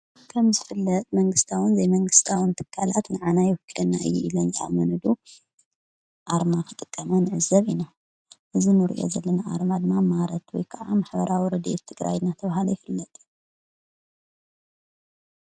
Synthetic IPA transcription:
kʰɐmzɨfɨlːɐt̪ʼmɐŋɡɨst̪ʰawɨnzɐjmɐŋɡɨst̪ʰawɨnt̪ʰɨ̥kʰːalat̪nɨʕanajɛwɨkʰːilɐnːa̰ɨ̰jːɛilɐnzʔa̰mɐnɨd̪u | ʔaɾmakʰɨt̪ʼɨkʼːɐmɐnɨʕɨzɐβina | ʔɨzinɨɾḭʔo̰zɐlːɐnaʔa̰ɾmad̪ɨmːamaɾɐt̪wɔ̰jkʰɐʔamaħbɐɾʔawiɾɐd̪ḛt̪ʰːɨɡɾa̰jnːat̪ʰɐβahalojɪfɨlːɐt̪ʼ

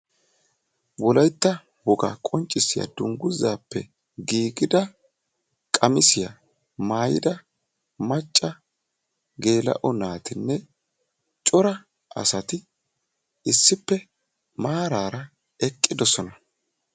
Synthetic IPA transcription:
wɔlɐjt̪ːɐ | wɔɡɐ̰kʼɔnt͡ʃʼːɪsɪjɐ̰d̪̥ʊŋɡʊzaːpːɛ | ɡiːɡɪd̪ɐ | kʼɐmɪsɪjɐ | maːjɪ̰d̪ɐ | mɐt͡ʃʼːɐ | ɡe̞ːlɐ̰ʔɔnaːt̪ɪnːɛ | t͡ʃʼɔɾɐ | ɐ̰sɐt̪ɪ | ɪsːɪpːɛ | maːɾaːɾɐ | ɛkʼːɪd̪ɔsɔnɐ

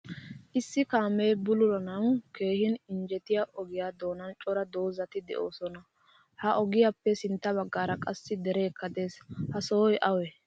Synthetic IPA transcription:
ʔɪsːɪkaːmeːbʊlʊɾɐnɐwke̞ːhɪnɪnd͡ʒɛt̪ɪjaʔɔɡɪjaːd̪o̞ːnɐnt͡ʃʼɔɾɐd̪o̞ːzɐt̪ɪd̪ɛ̰ʔo̞ːsɔnɐ | hɐʔɔɡɪjapːɛsɪnt̪ːɐβɐɡːaːɾɐkʼɐsːɪd̪ɛɾeːkːɐd̪e̞ːshɐsoːjʔɐwɛ

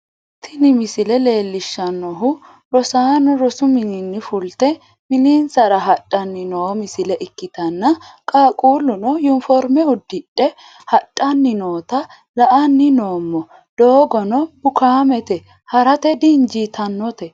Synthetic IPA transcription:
t̪ʰːɪnɪmɪsɪlɛle̞ːlːɪʃːɐnːɔɦʊ | ɾɔsaːnɔɾɔsʊmɪninːɪfʊlt̪ɛ | mɪniːnsɐɾɐɦɐtʼːɐnːɪnoːmɪsɪlɛʔɪkːɪt̪ɐnːɐkʼaːkʼuːlʊnɔjʊnfɔɾmɛʊd̪ːɪᶑːɛ | hɐtʼːɐnːɪno̞ːt̪ɐ | lɐʔɐnːɪnoːmːɔ | d̪̥oːɡɔnɔb̥ʊkaːmɛt̪ɛ | hɐɾɐt̪ɛd̪ind͡ʒiːt̪ʰɐnːɔt̪ɛ

